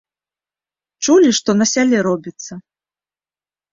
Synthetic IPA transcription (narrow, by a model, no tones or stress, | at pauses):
t͡ʂulʲiʂt̪ɔnɐsʲalʲɛɾɔbʲit̪sːɐ